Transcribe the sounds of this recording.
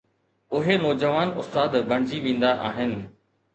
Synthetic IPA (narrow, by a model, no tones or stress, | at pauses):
ʊɦenɔːd͡ʑəʋaːnʊst̪aːd̪bʱɐɽ̃ɪd͡ʑiʋẽːn̆d̪aʔa̰ːɦɪnɪ̆